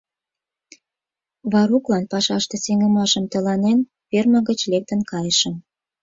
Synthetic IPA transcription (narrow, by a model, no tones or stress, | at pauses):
βɑɾuklɑnpɑʃɑʃt̪eseŋə̆mɑʃəmt̪əlɑnen | perməɣət͡ɕlek̚t̪ənkɑjəʃəm